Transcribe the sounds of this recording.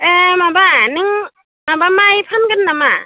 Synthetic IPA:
ʔemabanɯŋ | mabamajpʰanɡɯnːama

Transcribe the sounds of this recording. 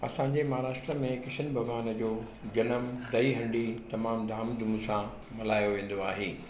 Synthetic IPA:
ɐ̰sãɲd͡ʑemɐɦaːɾaːʂʈɾəmẽkɪʃən̆bʱɐɡaːnd͡ʑoː | d͡ʑɐnəmd̪ɐiɦɐ̃ɳɖit̪ɐmaːmd̪ʱaːmd̪umsã | mɐlaːjoʋẽːn̆d̪oaːɦeː

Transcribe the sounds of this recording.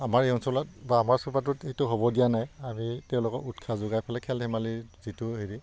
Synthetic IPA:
amaɹeɔnsɔlatbaːmaɹsupat̬ʊtetʊɦobɔdijanajamitɛʊ̃lʊkɔkutkʰazʊɡajpʰalɛkʰɛlɦɛmaliz̥itʊɦiɹi

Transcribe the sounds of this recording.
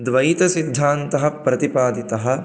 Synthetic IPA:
d̪ʋɐjit̪ɐsid̪ʱːaːnt̪ɐɦɐ̆pɾɐt̪ipaːd̪it̪ɐɦɐ̆

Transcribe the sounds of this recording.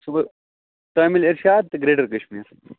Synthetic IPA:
subɐ | t̪aːmiliɾʃaːd̪̚t̪ɐɡɾeːɖɐɾkɐɕmiːɾ

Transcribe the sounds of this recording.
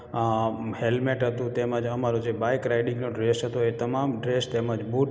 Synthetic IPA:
helmeʈɦət̪ũt̪emad͡ʒəmaɾod͡ʒebajkɾajɖĩŋɡnoɖɾesɦət̪oet̪əmamɖɾest̪eməd͡ʒbuʈ

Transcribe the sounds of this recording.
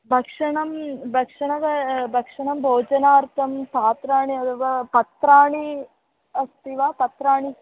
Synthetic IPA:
bʱɐkʂɐɳɐmbʱɐkʂɐɳɐʋɐbʱɐkʂɐɳɐmbʱoːd͡ʒɐnaːɾt̪ɐmpaːt̪ɾaːɳiɐt̪ʰɐʋapɐt̪ɾaːɳi | ɐst̪iʋaːpɐt̪ɾaːɳi

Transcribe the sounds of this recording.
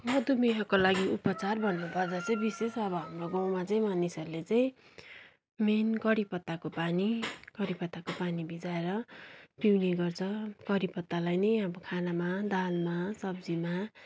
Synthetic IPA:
mʌd̪umeɦʌkolaɡiupʌt͡sarbʱʌnːubʌrdʌt͡sʌĩbisesʌbʌɦʌmroɡawmat͡sʌĩmanisʌɾulet͡saĩ | menkʌɾipʌt̪ːakopanikʌɾipʌt̪ːakopanibid͡zaeɾʌpiwneɡʌrt͡sʰʌkʌɾipʌt̪ːalajnʌjʌbʌkʰanamad̪almasʌb̚d͡zima

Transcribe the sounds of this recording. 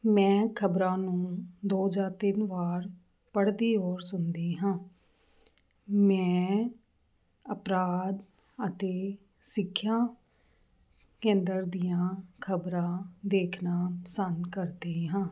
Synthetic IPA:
mɛ̃ːkʰəbɾãːnũːd̪oːd͡ʒaːɾt̪ɪnʋaːɾ | pəɽd̪iːoːɾsʊnd̪eːɦãː | mɛ̃ː | əpɾaːd̪ | ət̪eː | sɪkʰːjaː | kẽːnd̪əɾd̪ijãːkʰəbɾãːd̪eːkʰnãːpəsənd̪kəɾd̪eːɦãː

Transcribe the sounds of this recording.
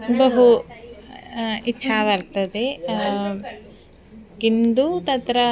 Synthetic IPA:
bɐɦu | itːʃʰaːʋɐɾt̪ɐd̪e | kind̪ut̪ɐt̪ɾɐ

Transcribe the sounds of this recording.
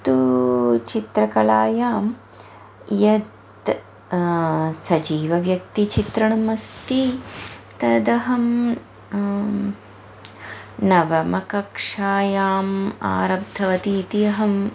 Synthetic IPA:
t̪ut͡ʃit̪ɾɐkɐɭaːjaːm | jɐt̪ | sɐd͡ʒiːʋɐʋjɐk̚t̪it͡ʃit̪ɾɐɳɐmɐst̪i | t̪ɐd̪ɐɦɐm | nɐʋɐmɐkɐkʂaːjaːma̰ːɾɐb̚d̪ʰʱɐʋɐt̪iːt̪ijɐɦɐm

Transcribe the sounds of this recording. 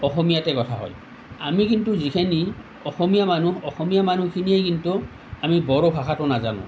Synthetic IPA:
ɔxɔmijatɛkɔtʰaɦɔ̰j | a̰mikintuzikʰeni | ɔxɔmijamanuɔxɔmijamanukʰinijɛjkintu | amibɔɹɔbʱaxatʊnazanʊ̰̃

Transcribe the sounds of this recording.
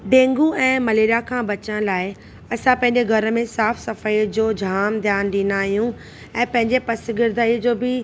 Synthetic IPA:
ɖẽːŋɡuɛ̃ːmɐleːɾijakʰãːbɐt͡ɕəɽ̃laːɪ | ɐsãpɐ̃ɦɪ̃ɲd͡ʑeɡʱɐɾəmẽsaːfsɐfəid͡ʑoːd͡ʑʱaːmd̪ʱjaːnɗĩːnaːɦijũ | ɛ̃ːpɐ̃ɦɪ̃ɲd͡ʑepɐsɪɡɪɾd̪ʱaːid͡ʑoːbɪ

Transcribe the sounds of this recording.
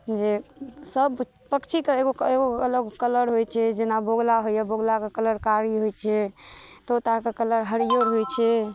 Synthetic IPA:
d͡ʒesəb | pəkt͡ʃʰikeeɡoeɡoələɡkələɾɦojt͡ʃʰɛd͡ʒenaboɡlaɦojaboɡlakekələɾkaɾiɦojt͡ʃʰɛt̪ot̪akekələɾɦəɽijoɾɦojt͡ʃʰɛ

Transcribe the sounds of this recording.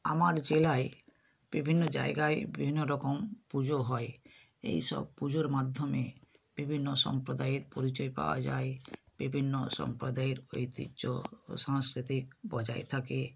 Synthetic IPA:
amaɾd͡ʑelae | b̥ibʱinːod͡ʑa̰eɡaebibʱinːoɾɔkompud͡ʑoɦɔe | ḛjʃɔ̰b̚pud͡ʑoɾmad̪ʱːomeb̥ibʱinːoʃɔ̰mpɾod̪aeɾpoɾit͡ɕɔepa̰owa̰d͡ʑa̰eb̥ibʱinːoʃɔ̰mpɾod̪aeɾo̰jt̪ḭt͡ʃo̰ʃaŋskɾit̪ik̚bɔd͡ʑaet̪ʰake

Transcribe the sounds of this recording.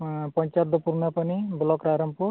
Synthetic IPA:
pɔɲt͡ʃad̪ɔpuɾnapaniblɔkɾaɾɔmpuɾ

